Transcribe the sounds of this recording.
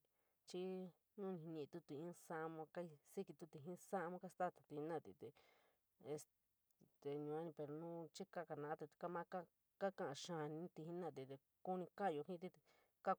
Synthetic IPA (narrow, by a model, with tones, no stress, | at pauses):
t͡ʃi˦ | nũ˦˧nĩ˨˧ɲĩ˧ʔĩ˧t̪u˧t̪u˧˨ĩ˦˧˦sa˦ʔmõ˧ka˦i˧si˦ki˧t̪u˧t̪i˧˨ɦĩ˦sa˦ʔmõ˦ka˦st̪a˦˨t̪ḁ˨t̪i˧i˧nã˦˨t̪ḭ˧t̪e˧ | e˧s | t̪e˧ɲũ˧ã˦nĩ˧pe˧ɾo˧nũ˦t͡ʃi˦ka˦˧ka˧nã˧ʔt̪i˧t̪i̥˧ka˦mã˦ka˦ | ka˦kã˦˨ʔã˧ʃã˧˨˧nĩ˧˦t̪i˧hĩ˦nã˦˧˨t̪i˧˨t̪e˧ | ku˦nĩ˧ka˦˧jo˧hĩ˦t̪i˦t̪ | ka˦